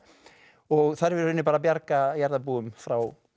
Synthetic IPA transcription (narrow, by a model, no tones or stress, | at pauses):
ɔɣθaɾvɪɾʏnːɪpaːɾapjaɾkajaɾðapuːʏmfɾaw